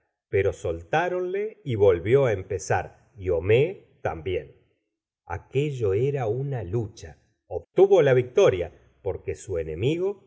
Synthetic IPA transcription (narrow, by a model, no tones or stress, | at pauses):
pe̞ɾo̞so̞lt̪aɾo̞nle̞iβo̞lβjo̞aempe̞sa̰ɾ | io̞me | t̪a̰mbjen | a̰ke̞ʒo̞eɾaunalut͡ʃa | oβt̪uβo̞laβik̚t̪o̞ɾja | po̞ɾke̞sue̞ne̞miɣo̞